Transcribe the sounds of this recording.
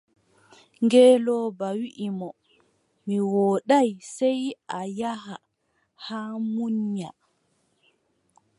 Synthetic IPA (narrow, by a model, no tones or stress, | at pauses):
ŋɡɛːlɔbawiʔimɔ | miwɔːɗajsɛjʔajaɦa | haːmuɲɲa